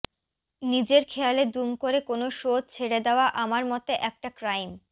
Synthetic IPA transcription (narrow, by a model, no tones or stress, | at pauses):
nid͡ʑeɾkʰejaled̪umkoɾekonoʃod̪̚t͡ɕʰeɽed̪eoaʔamaɾmɔt̪eʔɛk̚ʈakɾajm